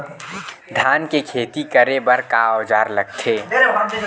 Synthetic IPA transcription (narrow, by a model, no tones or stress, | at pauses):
d̪ʱaːnkekʰeːt̪ikəɾebɐɾkaɔːd͡ʒaːɾlɐɡ̚t̪ʰeː